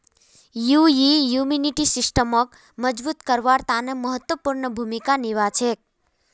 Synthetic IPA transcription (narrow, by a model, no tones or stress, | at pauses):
jujijuminiʈisisʈəmək | məd͡ʒbut̪kəɾʋaɾt̪anəməɦət̪wəpuɾnəbʱumikaniʋat͡ʃʰek̚